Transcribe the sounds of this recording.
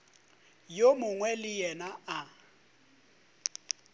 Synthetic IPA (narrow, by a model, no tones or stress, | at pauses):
jomʊŋwɛlɪjɛnaa